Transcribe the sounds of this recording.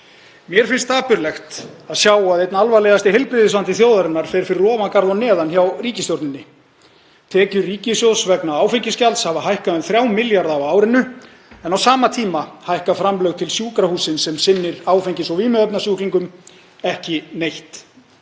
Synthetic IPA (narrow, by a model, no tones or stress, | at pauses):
mjɛɾ̥fɪnst̪aːpʏɾlɛxt̪aðsjaːwaðejt̪naalvalejɣðast̪ɪɦejlpɾɪðɪsant̪ɪθjowðaɾɪnːaɾ̥fɛɾ̥fɪɾɪrɔːvankaɾðanɛːðançawriːcɪsjowɾt̪nɪnːɪ | t̪ʰɛːcʏriːcɪsjowsvɛknaaːwfejɲcɪscalt̪shavaɦajhkaʏmθɾjaːwmɪljaɾðawaːwɾɪnʏ | ɛnawsaːmat̪ʰiːmahajhkafɾamlœɣt̪ʰɪlsjuːkɾahuːsɪnsɛmsɪnːɪɾaːwfejɲcɪsɔviːmɛœpnasjuːkliŋkʏm | ɛhcɪnejht̪